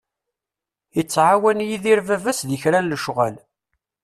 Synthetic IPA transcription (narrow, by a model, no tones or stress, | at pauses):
ət͡sːʕawænjiðiɾvævæsðəçɾænləʃʁæl